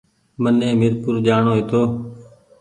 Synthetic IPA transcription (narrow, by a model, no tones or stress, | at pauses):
mənẽːmɪɾkʊɾd͡ʒaːɳoːɦeːt̪ʰoː